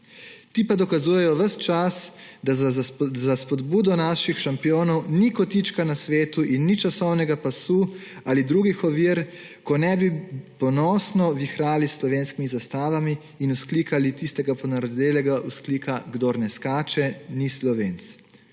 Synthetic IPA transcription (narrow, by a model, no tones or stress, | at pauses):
t̪ipad̪ɔkazuːjɛjɔʋəst͡ʃasd̪azaspɔd̪buːd̪ɔnaʃixʃampijoːnɔwnikɔt̪it͡ʃkanasʋeːt̪uʔinːit͡ʃasɔwnɛɡapasuː | aːlid̪ɾuːɡixɔʋiːɾ | kɔnɛbipɔnɔːsnɔʋixɾaːlisːlɔʋeːnskimizast̪aːʋamiː | nuskliːkalit̪ist̪ɛɡapɔnaɾɔd̪eːlɛɡaʔuskliːkʰaɡd̪oɾnɛskaːt͡ʃɛnislɔʋeːnt̪s